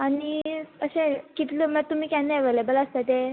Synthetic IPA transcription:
aɽ̃iəɕẽkit̪ləmət̪um̤iːkanːeeʋelebələst̪at̪e

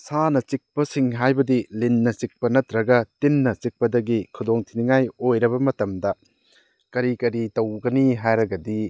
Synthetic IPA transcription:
sanɐt͡ʃik̚pɐsiŋɦajbɐdilinːɐt͡ʃik̚pɐnɐt̪ɾɐɡɐtinːɐt͡ʃik̚pɐdɐɡikʰudoŋtʰiniŋajojɾɐβɐmɐtɐmdɐ | kɐɾikɐɾitɐwɡɐniɦajɾɐɡɐdi

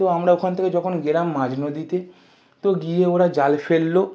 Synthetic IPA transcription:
t̪oamɾaokʰant̪ʰeked͡ʑɔkʰonɡeɾamːad͡ʑnod̪it̪e | t̪oɡieoɾad͡ʑalfelːo

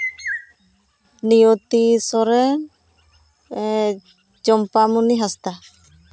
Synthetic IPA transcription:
nijot̪isɔɾɛ | d͡ʒɔmpamuniɦast̪a

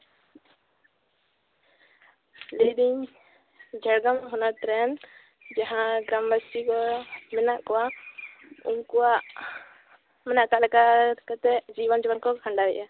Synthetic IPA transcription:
lid̪iɲ | d͡ʒʱɛɽɡamɦɔnat̪ɾɛn | d͡ʒaɦãɡɾambast̪ikɔmɛnaʔkɔwa | ṵmkɔwaʔ | mɛnaʔkalɛkakat̪ɛd͡ʒiβənd͡ʒiwənkɔkʰãɳɖaɾɛ̰ʔa

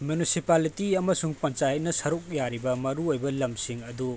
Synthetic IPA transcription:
mjunisipalitiɐmɐsuŋpɐnt͡ʃajt̚nɐsɐɾuk̚jaɾibɐmɐɾuojbɐlɐmsiŋɐdu

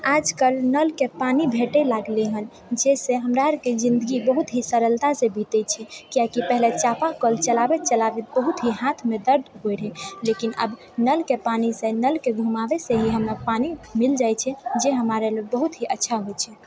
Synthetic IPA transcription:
ad͡ʒkəlnəlkepanibʱeʈɛlaɡleɦən | d͡ʒeseɦəmɾaɦəɾked͡ʒĩnd̪əɡibəɦut̪ɦisəɾəlt̪asebʱit̪ɛt͡ʃʰɛkijakipɛɦlet͡ʃapakəlt͡ʃəlabɛt̪̚t͡ʃəlabet̪̚bəɦut̪ɦiɦãt̪ʰmed̪əɾd̪ɦojɽɦɛlekinə̰b | nəlkepanisenəlkeɡʱumabeseɦiɦəmɾapanimild͡ʒajt͡ʃʰɛd͡ʒeɦəmaɾelebəɦut̪ɦiʔətːʃʰaɦojt͡ʃʰɛ

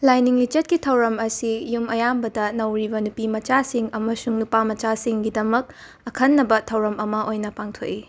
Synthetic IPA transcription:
lajniŋlit͡ʃɐt̚kitʰɐwɾɐmɐsijumɐjambɐdɐnɐwɾibɐnupimɐt͡ʃasiŋɐmɐsuŋnupamɐt͡ʃasiŋɡidɐmɐk̚ | ɐkʰɐnːɐbɐtʰɐwɾɐmɐmɐʔojnɐpaŋtʰoʔi

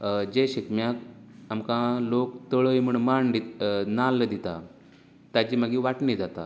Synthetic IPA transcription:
d͡ʑeɕikmjakamkãlokt̪əɭəjm̤əɳmaɳd̪inalːəd̪it̪a̰ | t̪ad͡ʑiːmaɡiːʋaʈnid͡zat̪a̰

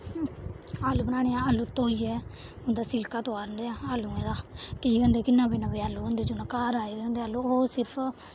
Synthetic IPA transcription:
aːlːuːbənaːɽeːãːəlːuːt̪oːiːɛː | ʊnd̪aːsɪlkaːt̪oaːɾənd̪eːaaːlːuːẽːd̪aːkəiːõːnd̪eːkɪnːãːbiːnãːbiːaːlːuːɦõnd̪eːd͡ʒʊnãːkaːɾaːid̪eõnd̪eːaːlːuːɦoːsɪɾpʰ

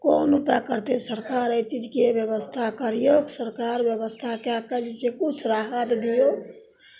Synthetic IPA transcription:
koːnupakəɾt̪esəɾkaɾet͡ʃid͡ʒkebjəβəst̪ʰakəɾijoksəɾkaɾbjəβəst̪ʰakjakəd͡ʒit͡ʃekut͡ʃʰɾaɦət̪d̪ijok

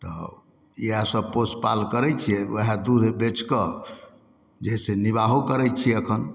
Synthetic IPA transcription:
t̪ɔ̰ | iɦãsəb̚pospa̰lkəɾɛt͡ʃʰiɛəɦad̪ud̪ʱbet͡ʃkə | d͡ʒɛseniβaɦokəɾɛt͡ʃʰiɛəkʰən

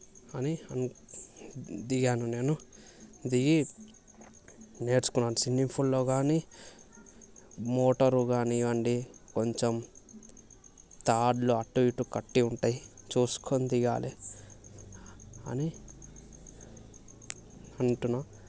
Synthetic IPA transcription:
ɐniɐn | d̪iɡaːnune̞ːnu | d̪iɡi | ne̞ːɾt͡ʃu̥kunːaːnusinːipʰulːo̞ːɡaːniː | moːʈɐɾuɡaːniʋɐɳɖiko̞ɲt͡ʃem | t̪aːɖluɐʈːuʋiʈːukɐʈːiuɳʈaːjit͡ʃuːsu̥kʰonid̪iɡa̰ːli | ɐ̰ni | ɐɳʈunːaː

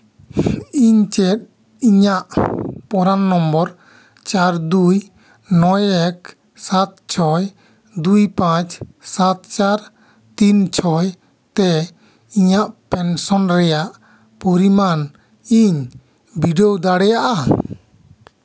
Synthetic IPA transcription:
iɲt͡ʃɛt̪̚ | iɲaʔpɔɾanːɔmbɔɾ | t͡ʃaɾd̪uj | nɔjɛk̚ | sat̪̚t͡ʃʰɔj | d̪ujpãt͡ʃsat̪̚t͡ʃaɾ | t̪int͡ʃʰɔj | t̪ɛ | iɲaʔpɛnsɔnɾɛjaʔ | pɔɾiman | iɲ | biɖɔwd̪aɽɛjaʔa

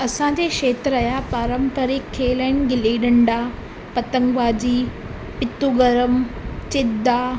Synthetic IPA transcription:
ɐsãd͡ʑeʃeːt̪ɾɐːjapaːɾəmpəɾekʰːeːləɪnɡɪliːɗɐɳɖa | pɐt̪əŋɡʋaːd͡ʑiː | pɪt̪ːuɡəɾəmt͡ɕɪd̪aː

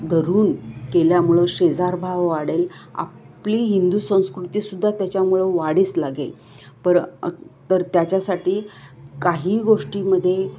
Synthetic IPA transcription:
d̪ʱəɾuːnkeljamuɭəɕed͡zaɾbʱaʋʋaɽela̰pliːɦind̪uːsə̃w̃skɾut̪iːsud̪ʱːat̪jat͡ɕjamuɭəʋaɽiːt͡slaɡḛ | pəɾt̪əɾt̪jat͡ɕjasaʈʰiːkaɦiːɡoʂʈiːməd̪ʱːje

